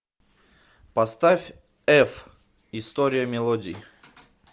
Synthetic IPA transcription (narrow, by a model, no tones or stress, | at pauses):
pɐst̪afʲ | ɛf | ɪst̪oɾʲɪjəmʲɪlˠodʲɪ